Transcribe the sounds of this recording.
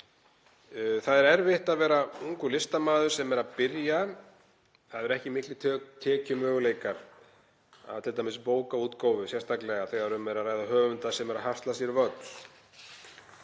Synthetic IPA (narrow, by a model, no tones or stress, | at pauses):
θaðɛɾɛɾvɪht̪aðvɛːɾauŋkʏlɪst̪amaːðʏɾ̥sɛmɛɾaðpɪɾja | θaðɛɾɛhcɪmɪhklɪt̪ʰːt̪ʰɛːcʏmœːɣʏleːjkaɾ | a̰ðt̪ʰɪlt̪amɪspoːwkauːt̪koːwvʏsjɛr̥t̪aklɛɣaθɛːɣaɛɾʏmvɛɾaðraːjðaɦœːvʏnt̪asɛmɛɾaðɦast̪lasjɛɾvœt̪l̥